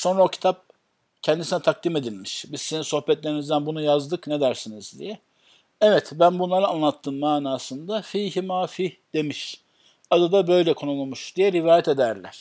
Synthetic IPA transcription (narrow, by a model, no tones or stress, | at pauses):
so̞nɾaocʰi̥t̪ʰap̚ | cʰɛnd̪isinɛt̪ʰak̚d̪ime̞d̪ilʲmiʃbizsizinso̞hbɛt̪lʲe̞ɾinizd̪ænbunujazd̪ɯkne̞d̪æɾsinizd̪ḭjɛ | ɛvɛt̪bænbunlˠaɾɯanlˠat̪ʰːɯːnmaːnaːsɯnd̪afiːhimaːfihd̪e̞miʃ | ad̪ad̪abø̞jlʲɛkʰo̞nulumuʃd̪ijɛɾivaːjɛt̪e̞d̪æɾlʲæ̰ɾ̥